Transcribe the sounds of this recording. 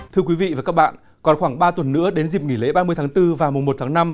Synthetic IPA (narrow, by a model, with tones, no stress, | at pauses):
t̪ʰɨ˧əkwi˨˦vḭ˧˨vaː˨˩kaː˦˥k̚ɓa̰ː˧˨n | kɔ˨˩nxwaː˧˩ŋɓaː˧t̪wə˨˩nːɨ̰˧˥əɗe˨˦nzi˨˩p̚ŋi˧˩lḛ˧˨˦ɓaː˧mɨ˧əjt̪ʰaː˨˦ŋt̪ɨ˧vaː˨˩wmʊ˨˩ŋ͡mmo˨˩t̚t̪ʰaː˨˦ŋna˧m